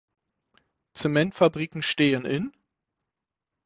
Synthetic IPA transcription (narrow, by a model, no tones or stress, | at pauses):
t͡sɛmɛntfabʁiːkŋ̩ʃteːənʔɪn